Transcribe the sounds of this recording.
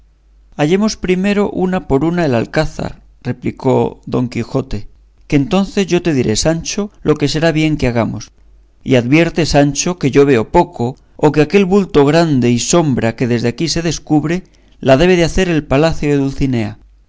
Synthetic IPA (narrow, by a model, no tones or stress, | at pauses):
aʝe̞mo̞spɾime̞ɾo̞ʔunapoɾunaela̰lkaθa̰ɾ | re̞pliko̞ðo̞ŋkixo̞t̪e̞ | kent̪o̞nθe̞zʝo̞t̪e̞ðiɾʔe̞sant͡ʃo̞lʔo̞ke̞se̞ɾaβje̞ŋkeaɣ̞amos | ḭaðβje̞ɾt̪e̞sant͡ʃo̞ke̞ʝo̞βe̞o̞po̞ko̞ː | keake̞lβult̪o̞ɣ̞ɾand̪e̞iso̞mbɾake̞ðe̞zðeakise̞ðe̞skuβɾe̞ | lað̞e̞β̞e̞ðeaθe̞ɾe̞lpalaθjoðeðulθine̞a